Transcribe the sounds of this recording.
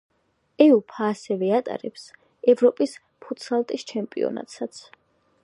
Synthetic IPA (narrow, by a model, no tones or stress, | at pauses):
ɛupʰaːsɛvɛat̪ʼa̰ɾɛps | ɛvɾɔpʼis | pʰut̪salˠt̪ʼist͡ʃʰɛmpʼḭɔ̰na̰t̪ʼsat̪sʰ